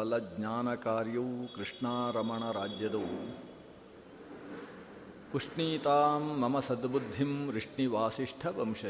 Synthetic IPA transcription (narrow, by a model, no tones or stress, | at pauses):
ɐlɐɡɲaːnɐkaːɾjɐwkɾɨʂɳaːɾɐmɐɳɐɾaːd͡ʒjɐd̪ɐː | puʂʈɳiːt̪aːmːɐmɐsɐd̪bud̪ʱːimɾiʂʈɳiʋaːsiʂʈʰɐbɐmʃɐ